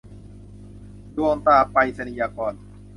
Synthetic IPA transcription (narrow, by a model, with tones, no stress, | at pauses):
du˧˩ə˧ŋt̪aː˧˩pa˧jsa˧ni˨jaː˧kɔː˧n